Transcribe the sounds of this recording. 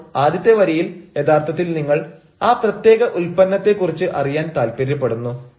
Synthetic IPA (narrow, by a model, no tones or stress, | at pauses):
aːd̪jɐt̪ːjeʋɐɾɐjilje̞d̪aːrt̪ʰɐt̪̬ːilniŋːɐɭ | aːprɐt̪je̞ːɣɐʔulpɐnːɐt̪ːe̞kːurit͡ɕːɨʔɐrijaːnt̪aːlpiɾɐp̬ːeɽunːu